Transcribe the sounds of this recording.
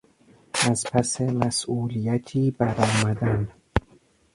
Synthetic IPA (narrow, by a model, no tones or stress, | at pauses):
ʔæzpʰæsemæsʔuːlijæt̪ʰiːbæɾɒːmæd̪æn